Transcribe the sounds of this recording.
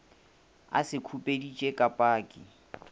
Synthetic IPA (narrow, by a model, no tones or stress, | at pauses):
a̰sɪkʰupʼedit͡ʃʼekʼapʼaːkʼɪ